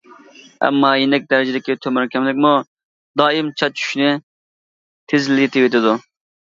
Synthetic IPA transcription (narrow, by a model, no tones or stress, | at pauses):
ɛ̰mːɑːjenɪk̚ʲd̪ɛɾɪd͡ʒɪd̪ɪkʲit̪ʰømɛɾkʲɛmlɪk̚ʲmu | d̪ɑːimt͡ʃʰɑt͡ʃʰy̥ʃnɪ | t̪ʰɪzɪlɪjet̪ɪet̪ʰɪd̪u